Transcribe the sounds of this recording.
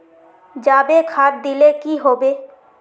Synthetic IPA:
d͡ʒaːbekʰaːd̚d̪ilekiɦoːbe

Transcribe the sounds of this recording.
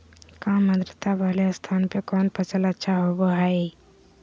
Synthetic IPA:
kãːməd̪ɾət̪abəlest̪ʰaːnpekɔːnpət͡ʃʰələtːʃʰaɦobəɦaːe

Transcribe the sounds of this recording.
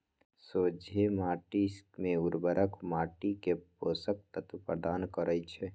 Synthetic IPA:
soːd͡ʒʱemaːʈismeuɾbəɾəkmaːʈikepoːsək̚t̪ət̪pɾəd̪aːnkəɾət͡ʃʰɛ

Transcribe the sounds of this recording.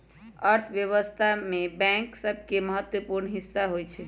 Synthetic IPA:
əɾt̪ʰbjəʋəst̪ʰamebɛ̃ŋksəbʱkeməɦət̪wəpuɾɳɦisːaɦojt͡ʃʰɛ

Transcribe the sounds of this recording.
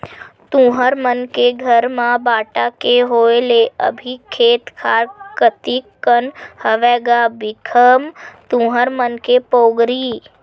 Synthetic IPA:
t̪ũːɦəɾmənkeɡʱəɾmãbaːʈakeɦoːeleʔə̰bʱikʰeːt̪kʰaːɾkət̪ikənhəʋɛːɡabɪkʰəmt̪ũːɦəɾmənkepoːɡɾiː

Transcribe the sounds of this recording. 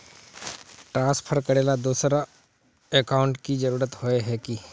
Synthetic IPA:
ʈɾãːspʰəɾkɐɾeːlad̪uːsɾa | ekaːʊ̃ɳʈkid͡ʒɐɾuːɾət̪hoeɦɛki

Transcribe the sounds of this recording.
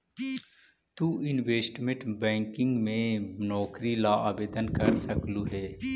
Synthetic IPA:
t̪uːɪnʋeːsʈmẽʈbɛ̃ːŋkɪ̃ŋɡmẽnɔːkɾilaːaːbeːd̪ənkəɾsəkluːɦɛː

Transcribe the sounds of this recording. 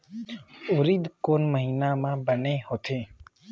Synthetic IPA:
ʊɾiːd̪koːnməɦiːnaːmãːbəneːhoːt̪ʰẽː

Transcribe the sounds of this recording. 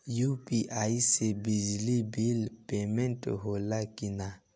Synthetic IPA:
jupiʔaisebid͡ʒlibilpemɛ̃nʈɦolakina

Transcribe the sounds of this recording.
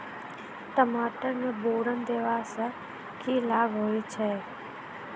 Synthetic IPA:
t̪əmaːʈəɾneboːɾənd̪eːʋaːsə | kʰilaːɡɦoːjt͡ʃʰeː

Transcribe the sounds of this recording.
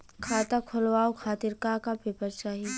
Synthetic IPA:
kʰaːt̪akʰʊlʋaːokʰaːt̪ɪɾkakapepəɾt͡ʃaːɦi

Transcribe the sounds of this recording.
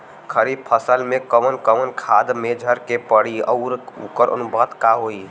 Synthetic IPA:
kʰəɾib̚pʰəsəlmẽkəmənkəmənkʰad̪med͡ʒʱəɾkepəɽiə̰ʊɾṵkəɾʔə̰nubət̪kaɦoi

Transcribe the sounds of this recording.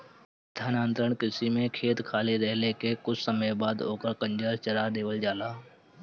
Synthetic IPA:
d̪ʱjaːnaːnt̪ɾəɳkɪsimẽkʰeːt̪kʰaːleɾɛɦlekekʊt͡ʃʰsəməjbaːd̪ɦoːkəɾkə̃ɲd͡ʒaːɾt͡ʃəɾad̪eːʋəld͡ʒaːnaː

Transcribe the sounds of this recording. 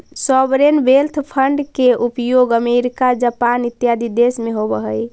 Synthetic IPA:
sɔbɾenbelt̪ʰpʰəɳɖkeʔupjoɡəmeɾikad͡ʒəpanit̪ːjad̪ʱid̪esmeɦobəɦəj

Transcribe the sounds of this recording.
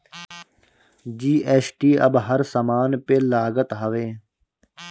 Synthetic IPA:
d͡ʒiːʔeːsʈiːɐbɦɐɾsɐmaːnpeːlaːɡət̪ɦɐʋeː

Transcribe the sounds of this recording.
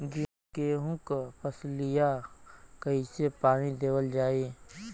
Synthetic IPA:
d͡ʒɪ | keːɦʊ̃kpəslɪjakəisepaːɽ̃id̪eːwəld͡ʒaːeː

